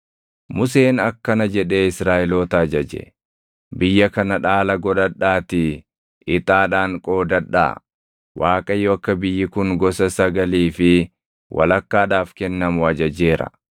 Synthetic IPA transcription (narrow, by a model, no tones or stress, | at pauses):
mʊs̬e̞ːnɐkːɐnɐd͡ʒɛᶑe̞ːɪsɾaːʔɪloːt̪ɐːd͡ʒɐd͡ʒɛ̰ | bɪjːɐkɐnɐᶑaːlɐɡɔᶑɐᶑːaːt̪ɪ | ɪt̪ʼaːᶑaːŋkʼo̞ːd̪ɐᶑːa̰ː | waːkʼɐjːoɐkːɐbɪjːɪkʊŋɡɔsɐsɐɡɐliːfɪ | wʔɐ̰lɐkːaːᶑaːfkɛnːɐmʊɐd͡ʒɐd͡ʒe̞ːɾɐ̰